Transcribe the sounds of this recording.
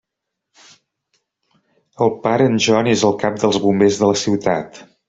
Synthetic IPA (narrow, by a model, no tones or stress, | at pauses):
əlˠpaɾəːnʲʒɔnezəlˠkap̚d̪əlˠzβumbezðələsiwt̪at̪